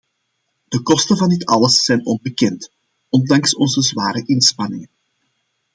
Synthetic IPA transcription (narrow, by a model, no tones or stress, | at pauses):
d̥əkɔstənvɑndɪtɑləsːɛjnɔnbəkɛnt | ɔndɑŋsɔnzəzwaːɾəʔɪnspɑnɪŋən